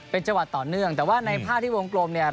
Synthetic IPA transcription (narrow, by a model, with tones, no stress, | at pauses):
pe˧nt͡ɕa˧wa˨˩t̪ːɔː˨˩nɯ˥˩əŋt̪ɛː˨˩waː˥˩na˧jpʰaː˥˩t̪ʰiː˥˩woː˧ŋkloː˧mni˥˩ɐ